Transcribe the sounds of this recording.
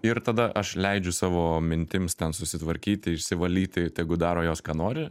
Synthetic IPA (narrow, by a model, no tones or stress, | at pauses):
ɪɾt̪ɐd̪ɐʔɐʃlʲɛɪd͡ʒʲʊsɑːʋoːmʲɪnʲt̪ʲɪmst̪ʲɛnsʊsʲɪt̪ʋɐɾʲkʲiːt̪ʲɪɪʃʲsʲɪʋɐlʲiːt̪ʲɪt̪ʲɛɪɡʊd̪ɑːɾoːjoːskɑːnoːɾʲɪ